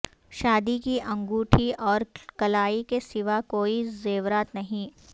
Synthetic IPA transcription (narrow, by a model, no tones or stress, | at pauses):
ʃaːd̪ikiʔɐ̃ŋɡuːʈʰiʔɔːɾkɐlaːikesɪʋakoːizeːʋɾaːt̪nɐɦĩ